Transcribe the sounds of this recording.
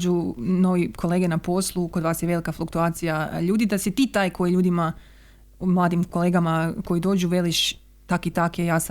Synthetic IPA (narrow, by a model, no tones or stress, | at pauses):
d͡ʒuno̞ʋikʰo̞leːɡenapo̞slˠukod̪ʋaːsjeʋe̞likaflˠukt̪uaːt̪sijaʎuːd̪id̪asit̪iːt̪aːjko̞jiʎuːd̪ima | mlˠaːd̪imko̞leːɡamako̞jid̪o̞ːd͡ʒuʋe̞liʃ | t̪akit̪akejaːsa